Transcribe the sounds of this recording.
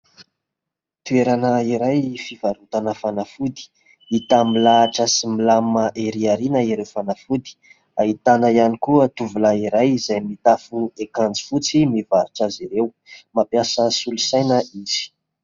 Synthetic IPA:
t̪ueɾanəiɾajfivaɾut̪anəfanafud̪i̥ | it̪amilaːʈ͡ʂəsimilamaʔeɾiaɾinəiɾewfanafud̪i̥ | ait̪anəjanikuət̪uvulaiɾajzajmit̪afuekand͡zi̥fut͡simivaɾiʈ͡ʂəziɾew | mapjasəsiulusajnəiz̥i̥

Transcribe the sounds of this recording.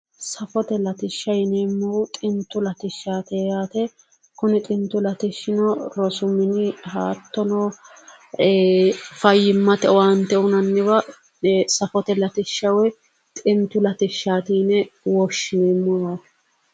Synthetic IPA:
sɐfɔt̪ɛlɐt̪ɪʃːɐjneːmːɐwt̪ʼɪnt̪ːʊlɐt̪ɪʃːaːt̪eːjaːt̪ɛ | kʊnɪt̪ʼɪnt̪ːʊlɐt̪ɪʃːɪnɔɾɔsʊmɪnɪɦaːt̪ːɔnɔ | fɐjːɪmːɐt̪ɛwant̪ːɛʊnɐnːɪbɐ | sɐfɔt̪ɛlɐt̪ɪʃːɐwɛ | t̪ʼɪnt̪ʊlɐt̪ɪʃːaːt̪iːnɛwɔʃːɪneːmːɔjaːt̪ɛ̥

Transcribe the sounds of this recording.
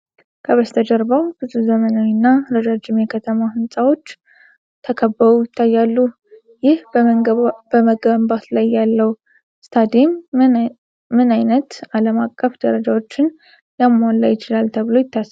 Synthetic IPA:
kʰəβəst̪ʰəd͡ʒəɾbəwbɨzuzəmənawinːaɾəd͡ʒad͡ʒːɪmjɛkʰət̪ʰəmahɨnsʼawo̞t͡ʃː | t̪ʰəkʰəbːəɾujɪt̪ʰːajːalːu | jɪhb | bəməɡəmbat̪lajːalːəw | st̪ʰad̪em | ɨnajnət̪aləmakʼːəfd̪̥əɾəd͡ʒawo̞t͡ʃːɪn | jamːalːajːɪt͡ʃɪlalt̪ʰəβɨlo̞jɪt̪ʰːas

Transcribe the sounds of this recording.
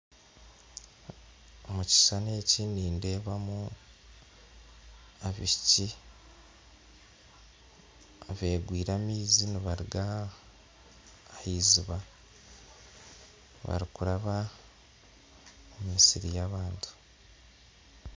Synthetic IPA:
omuci̥saneciniːnde̞ːβamu | aβiici | aβe̞ːɡwiːɾamiːziniβaɾiɡa | hiziβa | βa̰ɾikuɾaβa | umisiɾijaβaːntʰu̥

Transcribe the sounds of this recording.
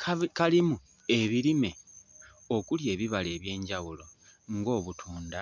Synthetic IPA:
kʰakalimu | e̞βiɾime̞ | o̞kulje̞ːβiβale̞ːβje̞ːɲɟawulo̞ | ŋɡo̞ːβutʰuːnda

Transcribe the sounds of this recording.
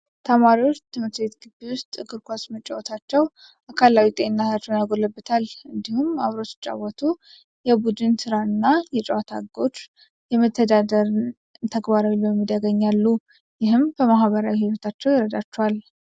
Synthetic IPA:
t̪ʰəmaɾiwoʃt̪ʰɨmɨt̪bet̪ɡɨbewʊst̪ʼɨɡɨɾkʷasmət͡ʃʼːawot̪ʰat͡ʃːɛw | ʔakʰalawit̪ʼeɪnːat̪ʰat͡ʃːɛwnjaɡo̞ləbːət̪ʰalɨnd̪ihumaβɾo̞t͡ʃ̪t͡ʃʼːa̰wɔt̪ʰu | jɛbud̪ɨnsɨɾaɨnːajɛt͡ʃʼɛwat̪ʰa̰ɡo̞t͡ʃː | jɛmət̪ʰːəd̪ad̪əɾ | t̪ʰəɡbaɾawilɛmːid̪əɡəɲːalːu | jɪhɨmbəmaɦβəɾawihiwət̪ʰat͡ʃːɛwjɪɾəd̪at͡ʃːɛwal

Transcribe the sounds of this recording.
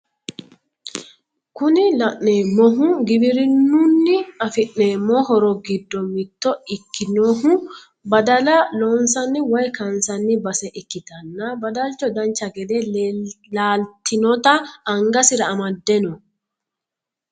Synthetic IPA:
kʊnɪlɐʔneːmːɔɦʊɡɪbɪɾɪnːʊnːɪɐfɪʔːeːmːɔɦɔɾɔɡɪd̪ːɔmɪt̪ːɔɪkːɪnoːɦʊ | bɐd̪ɐlɐloːnsɐnːɪwɐjkɐnsɐnːɪbɐsɛʔɪkːɪt̪ɐnːɐbɐd̪ɐlt͡ʃːɔd̪ɐnt͡ʃːɐɡɛd̪elaːlt̪ɪnɔt̪ɐːŋɡɐsɪɾɐːmɐd̪ːɛnɔ

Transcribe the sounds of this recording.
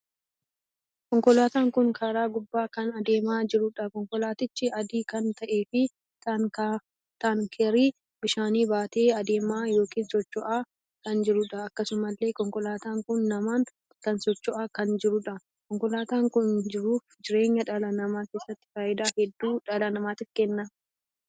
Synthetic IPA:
kɔŋkɔlaːt̪aːŋkʊŋkʰaːɾaːɡʊbːaːkɐnɐd̪eːmaːd͡ʒɪɾʊᶑɐkɔŋkɔlaːt̪ɪt͡ʃːɪɐd̪iːkɐnt̪ɐʔe̞ːfɪ | t̪ɐka | t̪aŋkʰɛɾiː | bɪʃaːniːbaːt̪e̞ːɐd̪e̞ːmaːjo̞ːkiːnsɔt͡ʃːɔʔaː | kɐnd͡ʒɪɾʊᶑɐɐkːɐsʊmɐlːe̞ːkɔŋkɔlaːt̪aːŋkʊnːɐmaːn | kɐnsɔt͡ʃːɔʔaːkɐnd͡ʒɪɾʊᶑɐ | kɔŋkɔlaːt̪aːŋkʊnd͡ʒɪɾuːfd͡ʒɪɾe̞ːɲːɐᶑɐlɐnɐmaːke̞ːsːɐt̪ːɪ̥faːʔɪd̪aːhɛd̪ːuːᶑɐlɐnɐmaːt̪ɪfkɛnːɐ

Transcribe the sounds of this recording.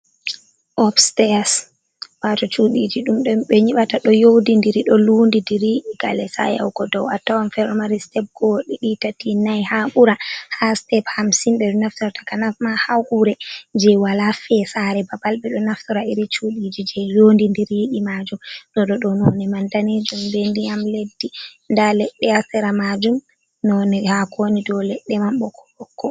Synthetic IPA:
ʔɔfstɛas | watɔt͡ʃuɗid͡ʒiɗumɗɔɓɛɲiɓataɗɔjowdindiɾiɗɔlundindiɾjiɗiɡa̰lɛsa̰ja̰wɡɔdɔwatawanfɛɾmaɾistɛp̚ɡɔɗiɗitatinajhaɓuɾahastɛphamsimɓɛɗɔnaftɔɾatḁkanamahawkuɾɛd͡ʒɛwalafɛsaɾɛbabalɓɛɗɔnaftɔɾaiɾit͡ʃuɗid͡ʒid͡ʒɛjondindiɾjiɗimad͡ʒumɗɔɗɔɗɔnɔnɛmandaned͡ʒumbɛndiamledːi | ndalɛɗːɛastɛɾamad͡ʒum | nɔnɛhakʰonidɔlɛɗːɛmamɓɔkʰɔ̥ɓɔkʰːɔ

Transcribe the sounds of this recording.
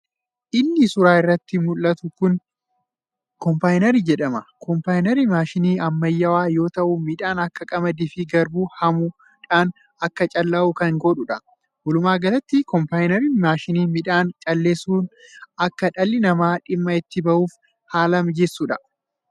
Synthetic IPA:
ʔɪnːɪsʊɾaːɪrːɐt̪ːɪmʊlːɐt̪ʊkʊn | kɔmpaːjnɛɾid͡ʒɛᶑɐmɐkɔmpaːjnɛɾimaːʃɪniːɐmːɐjːɐwaːjo̞ːt̪ɐʔʊmɪᶑaːnɐkːɐkʼɐmɐd̪ɪfɪɡɐɾbuhɐmʊ | ᶑaːn | ɐkːɐt͡ʃʼɐlːɐʔʊkɐŋɡɔᶑʊᶑɐ | wɔlʊmaːɡɐlɐt̪ːɪkɔmpaːjnɛɾimaːʃɪniːmɪᶑaːnt͡ʃʼɐlːeːsuːnʔɐkːɐᶑɐlːɪnɐmaːᶑɪmːɐɪt̪ːɪbɐʔuːf | haːlɐmd͡ʒɛsːuᶑɐ

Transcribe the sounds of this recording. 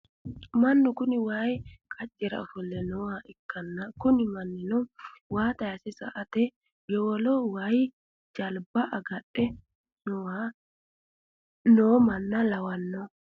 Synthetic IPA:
mɐnːʊkʊnɪwajkʰɐt͡ʃʼːɛɾɐ̰ɔfɔlːɛnɔwaʔɪkːɐnːɐkʊnɪmɐnːɪnɔwaːt̪ɐjɐsɛsɐ̰ʔɐt̪ɛ | ɡɛwɔlɔwaj | d͡ʒɐlbɐʔɐɡɐɗɛ | nɔa | noːmɐnːɐlɐwɐnːɔ

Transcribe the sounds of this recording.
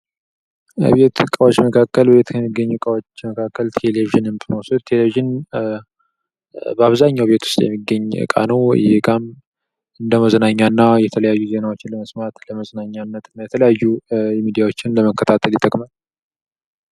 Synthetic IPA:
be̞t̪kʼawo̞t͡ʃːməkʰakːəlbe̞t̪kʰəmːiɡːəɲːukʼawot͡ʃːməkʰakːəlt̪ʰeleviʒɨnɨmbəmosut̪t̪ʰe̞leviʒɪn | bəaβzaɲːawbe̞t̪ʰwʊ̥st̪ʼjɛ̰mːiɡəɲːɨ̰kʼa̰nəw̰jɛkʼam | ɨnd̪əməzənaɲːanːajɛt̪ʰələjajːuze̞nawot͡ʃːɪnləməsmat̪ləməzənaɲːanːət̪ɨnːajɛt̪ʰələjajːuɛmid̪ijawo̞t͡ʃːɪnləməkːət̪ʰat̪ʰəljt̪ʼːəkʼməl

